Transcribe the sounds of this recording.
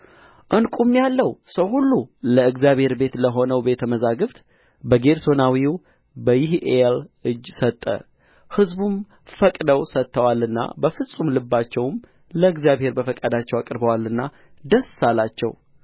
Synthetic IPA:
ʔɨnkʼumːjalːəwsəwhulːuləɨɡzjaβhe̞ɾbe̞t̪ləɦo̞nəwbe̞t̪ʰəməzaɡɨft̪ | bəɡe̞ɾso̞nawiw | bəjɪhelʔɨd͡ʒːsət̪ʼːə̰ | hɨzbum | fəkʼd̪əwsət̪ʰːəwalɨnːa̰bəfɨsʼumlɨbːat͡ʃːɛwm | ləɨɡzjaβhe̞ɾbəfəkʼad̪at͡ʃːɛwakʼɨɾbəwalːɨnːa | d̪əssalat͡ʃːɛ̰w

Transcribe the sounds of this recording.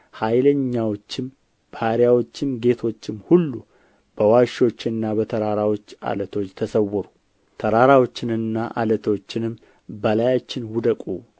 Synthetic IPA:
hajləɲːawot͡ʃːɪm | b̥haɾjawo̞t͡ʃːɪmɡe̞t̪ʰo̞t͡ʃːɪmhulːu | b̥əwaʃo̞t͡ʃːɪnːabət̪ʰəɾaɾawo̞t͡ʃːa̰lət̪ʰo̞t͡ʃːt̪ʰəsəwːɔɾu | t̪ʰəɾaɾawot͡ʃːɪnɨnːaʔa̰lət̪ʰo̞t͡ʃːɪnɨm | bəlajat͡ʃːɪnwʊd̪əkʼṵ

